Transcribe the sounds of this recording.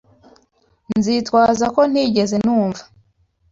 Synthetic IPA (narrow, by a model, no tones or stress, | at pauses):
nnzitwaːzako̞n̥iɟe̞ze̞n̥uːɱvḁ